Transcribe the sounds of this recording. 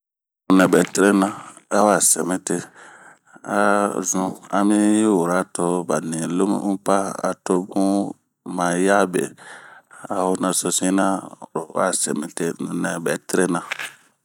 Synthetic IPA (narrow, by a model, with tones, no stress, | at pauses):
nũ˨nɛ̃˨bɛ˨ti˦ɾe˦nã˨a˦wa˨sɛ˨mɛ̃˦te˦ | a˨zũ˨a˨mĩ˦ji˦wo˨ɾa˨˦to˦ba˨nĩ˨lo˦m̰˦ũ˦pa˦a̰˨to˦bũ˦ | mã˨ja˦bḛ˨ | a˨wo˦nã˨so˧sĩ˦nã˦˨ɾo˨˦a̰˦˨sɛ̰˨mĩ˨te˦nũ˨nɛ̃˨bɛ˨te˦ɾe˦nã˨